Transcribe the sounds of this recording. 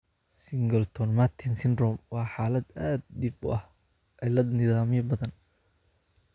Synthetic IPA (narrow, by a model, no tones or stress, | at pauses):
sɪŋɡɐlt̪ʰɔnmat̪ʰɛnsɪnrɔmwɑːħɑːlɐd̪aːd̪̚ːibʊʔɐh | ɪlɐd̪nɪðaːmɪjɐbɐðɐn